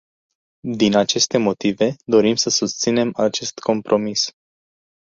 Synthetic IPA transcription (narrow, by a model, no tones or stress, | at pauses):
d̪inat͡ʃe̞st̪e̞mo̞t̪ive̞d̪o̞ɾimsəsust̪sine̞mat͡ʃe̞st̪ko̞mpɾʔo̞mis